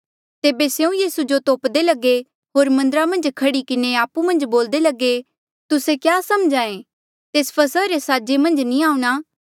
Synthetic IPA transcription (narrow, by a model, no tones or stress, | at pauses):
t̪eːbeseũjiːsud͡ʒot̪oːpd̪elɐɡe | ɦoːɾmɐ̃nd̪əɾamɐ̃nd͡ʒkʰɐɽikɪneaːpumɐ̃nd͡ʒboːld̪elɐɡe | t̪ʊsekjaːsɐmd͡ʒaːẽ | t̪eːspʰɐsəɾesaːd͡ʒemɐ̃nd͡ʒnĩaːũñaː